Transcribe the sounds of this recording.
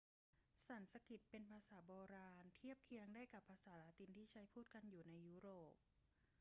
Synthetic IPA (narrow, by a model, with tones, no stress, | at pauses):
sa˩˦nsa˧ki˨˩t̪̚pe˧npʰaː˧saː˩˦bɔː˧ɾaː˧nt̪ʰi˥˩əp̚kʰi˧˥əŋdaː˥˩jka˨˩pʰːaː˧saː˩˦laː˦t̪i˧nt̪ʰiː˥˩t͡ɕʰa˦˥jpʰuː˥˩t̪̚ka˧njuː˨˩na˧jːuː˦˥ɾoː˨˩p̚